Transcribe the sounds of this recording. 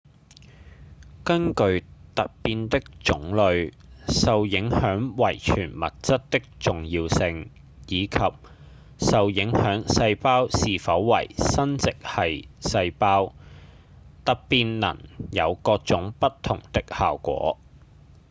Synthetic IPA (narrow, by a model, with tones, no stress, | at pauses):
kɐ˥nkɵ˧ɥt̪ɐ˨t̚piː˧nt̪ɪ˥k̚t͡sʊ˨˥ŋlɵ˨˧ɥsɐ˨wjɪ˨˥ŋhœː˨˥ŋwɐ˨˩jt͡ʃʰyː˨˩nmɐ̰˨t̚t͡sɐ˥t̚t̪ɪ˥k̚t͡sʊ˨ŋjiː˧wsɪ˧ŋ | jiː˨˧kʰɐ˨p̚ | sɐ˨wjɪ˨˥ŋhœː˨˥ŋsɐ˧jpaː˥wsiː˨˩fɐ˨˥wːɐ̰˨˩jsɐ˥nt͡sɪ˨k̚hɐ˨jsɐ˧jpaː˥w | t̪ɐ˨k̚piː˧nːɐ̰˨˩njɐ˨˧wkɔː˧k̚t͡sʊ˨˥ŋpɐ˥t̚t̪ʰʊ˨˩ŋt̪ɪ˥k̚ha̰ː˨wkʷɔ̰ː˨˥